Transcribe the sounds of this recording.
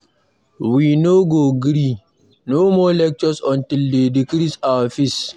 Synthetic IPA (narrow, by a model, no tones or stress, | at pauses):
wiːnoɡoɡɾi | nomɔːlɛk̚t͡ʃɔsɔntildedikɾisaafis